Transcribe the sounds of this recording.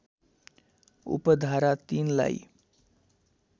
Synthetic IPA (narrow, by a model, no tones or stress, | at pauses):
ṵpəd̪ʱaɾat̪iːnla̰i